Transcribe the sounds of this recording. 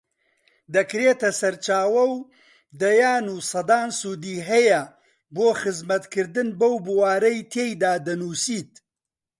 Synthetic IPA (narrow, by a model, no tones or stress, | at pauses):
d̪ɐkɾeːt̪ɐsɐɾt͡ʃaːwɐw | d̪ɐjaːnuːsɐd̪aːnsuːd̪iːɦɐjɐ | boːxɨzmɐt̪kʰɨɾd̪ɨnbɐwbuwaːɾɐjt̪ʰejd̪aːd̪ɐnuːsiːt̪̚